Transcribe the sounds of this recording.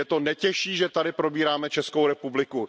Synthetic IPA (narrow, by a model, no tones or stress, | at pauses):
ɛt̪o̞nɛcɛʃiːʒɛt̪adɪpɾo̞biːɾaːmɛt͡ʃɛskowɾɛpublɪku